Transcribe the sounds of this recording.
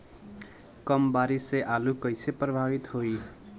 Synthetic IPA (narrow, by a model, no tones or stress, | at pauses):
kʌmbaɾiseʔalukʌjseprʌbʱabit̪hoj